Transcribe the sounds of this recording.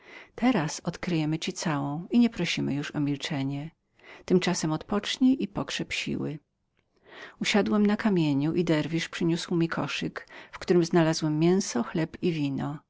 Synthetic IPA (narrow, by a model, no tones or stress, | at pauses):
t̪ɛɾasɔt̪kɾɘjɛmɘt͡ɕit̪sawɔ̃w̃iɲɛpɾɔɕimɘ̰juʂɔmʲilt͡ʂɛɲɛ | t̪ɘmt͡ʂasɛmɔt̪pɔt͡ʂɲiʔipɔkʂɛpɕḭwɘ | uɕad̪wɛmnakamʲjeɲuʔid̪ɛɾvʲiʂpʂɘɲuswmʲikʰɔʂɘkfkt̪uɾɘmznalazwɛmːjɛ̃w̃sɔxlɛpivʲinɔ